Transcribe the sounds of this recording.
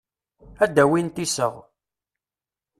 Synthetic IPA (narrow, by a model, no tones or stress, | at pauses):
æd̪æwint̪isə̰ʁ